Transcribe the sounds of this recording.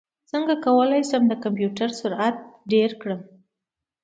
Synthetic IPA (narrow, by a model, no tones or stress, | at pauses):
t͡səŋɡakawəlajsəmd̪əkampjuʈaɾsʊɾat̪̚ɖeɾkɽəm